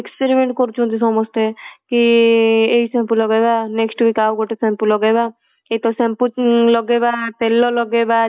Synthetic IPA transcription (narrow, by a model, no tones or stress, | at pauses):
ekspeɾimẽɳʈkɔɾt͡ʃʰũt̪̬isɔmɔst̪ekieisẽmpulɔɡebaneksʈbikaːwɡoʈesɛ̃mpulɔɡeba | et̪osẽmpulɔɡebaːp̪elːolɔɡebad̪